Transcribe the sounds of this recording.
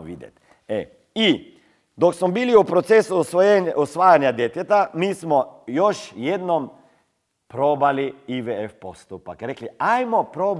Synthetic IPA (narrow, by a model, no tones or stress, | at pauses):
ʋḭːd̪jɛ̰t̪ʲ | ɛ | i | d̪oksmɔbiliupɾot̪sesusʋojenɔsʋaːjanjad̪jet̪jɛt̪amiːsmɔjoʃjed̪nɔm | pɾobaliiʋeefpost̪upakɾekliajmɔpɾoːb